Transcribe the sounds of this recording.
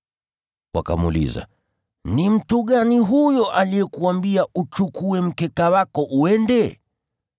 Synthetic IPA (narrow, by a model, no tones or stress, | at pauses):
wa̰ka̰mṵlḭza̰ | nim̩tuɠaniɦujɔʔalijɛkuambiaʔut͡ʃukuɛm̩kɛkawakɔʔuɛndɛ